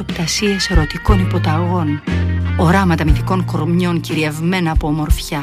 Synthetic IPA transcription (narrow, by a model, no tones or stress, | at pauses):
opt̪ɐsiɐsɾo̞t̪iko̞nipo̞t̪ɐɣo̞no̞ɾɐmɐt̪ɐmiθiko̞ŋkoɾmɲo̞ɲciɾie̞vme̞nɐːpo̞ːmo̞ɾfçɐ